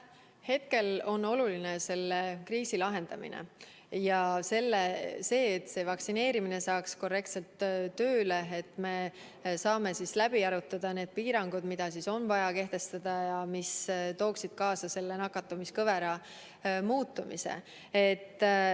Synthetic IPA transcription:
he̞t̪̚ke̞lo̞no̞lulinese̞lːekriːsilɑɦe̞nd̪̥ɑmḭnḛ | jɑse̞lːese̞ːt̪ːse̞ːvɑksine̞ːɾimine̞sɑːksko̞rːe̞k̚t̪se̞lt̪ːøːle̞et̪ːˑme̞ | sɑːme̞sislæb̥iɑɾut̪ːˑɑd̪̥ɑne̞ːd̪̥̚piːɾɑŋɡ̥ud̪mid̪̥ɑsiso̞nvɑjɑke̞ht̪e̞st̪ɑd̪̥ɑjɑmist̪o̞ːksid̪̥kɑːsɑse̞lːenɑkːˑɑt̪ːˑumiskɤveɾɑ | muːt̪ːˑumḭsḛ | et̪ː

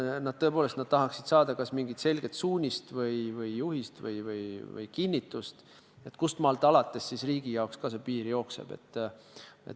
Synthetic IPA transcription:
nɑd̪̥t̪ɤ̞po̞ːle̞st̪nɑd̪̥̚t̪ɑɦɑksid̪̥sɑːd̪̥ɑkɑsmiŋɡit̪se̞lɡ̥e̞t̪suːnʲist̪vɤjvɯjjuhist̪vɤ̰jvɯ̰jvɯ̰jkinːit̪ːˑust̪ | et̪ːˑkust̪mɑːlt̪ːˑɑlɑt̪ːˑe̞sːisriːɡijɑokskɑs̬epiːɾijo̞ksḛb̥e̞̰t̪ː | ḛt

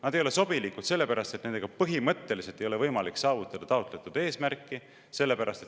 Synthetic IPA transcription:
nɑd̪ejo̞le̞so̞bilikːˑut̪se̞lːe̞pæɾɑst̪et̪ne̞nd̪e̞ɡ̥ɑpɤɦimɤt̪ːe̞liselt̪ejo̞le̞vɤjmɑliksɑːvut̪ːˑɑd̪̥ɑt̪ɑo̞t̪ˑlet̪ːˑud̪̥e̞ːsmærkːi | se̞lːe̞pæɾʔɑst̪e̞t̪

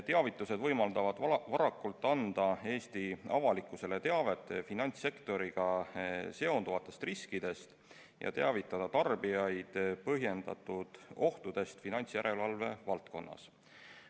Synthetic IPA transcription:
t̪e̞ɑvit̪ˑːuse̞d̪vɤjmɑld̪ɑvɑd̪̥vɑɾɑkːˑult̪ːˑɑnd̪̥ɑe̞ːst̪iɑvɑlikːˑuse̞le̞t̪eɑve̞t̪ːˑfinɑnʲt̪sːe̞kt̪o̞ɾiɡ̥ɑse̞o̞nd̪uvɑt̪ːˑe̞st̪riskid̪̥e̞st̪ | jɑ̰t̪e̞ɑvit̪ːˑɑd̪̥ɑt̪ɑrb̥ijɑjd̪̥pɤɦje̞nd̪̥ɑ̰t̪ːˑud̪̥o̞ht̪ud̪̥e̞st̪finɑnʲt̪sjæɾʔe̞lvɑlve̞vɑlt̪̚ko̞̰nːɑ̰s

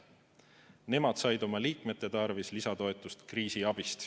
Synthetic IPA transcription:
ne̞mɑd̪̥sɑjd̪o̞mɑliːkme̞t̪ˑːe̞t̪ɑrvislisɑt̪o̞e̞t̪ːˑust̪kriːsiɑb̥ist̪

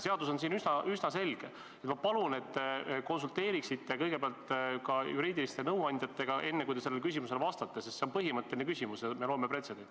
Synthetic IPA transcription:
se̞ɑd̪̥us̬o̞ns̬iːnysnɑʔysnɑse̞lʲɡ̥e | et̪mɑpɑlune̞t̪ːˑko̞nsult̪e̞ːɾiksit̪ːˑekɤjɡ̥e̞peɑlt̪kɑjuɾiːd̪ilist̪enɤwɑnʲd̪jɑt̪ːe̞ɡ̥ɑʔe̞nːe̞kujd̪e̞se̞lːelkysimuse̞lvɑst̪ɑt̪ːesest̪seo̞npɤɦimɤt̪ːˑelʲinekysʲimusjɑme̞lo̞ːmepɾe̞t̪sed̥̪ent̪ʲ

